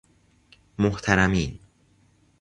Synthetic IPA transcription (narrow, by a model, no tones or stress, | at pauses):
moht̪ʰæɾæmiːn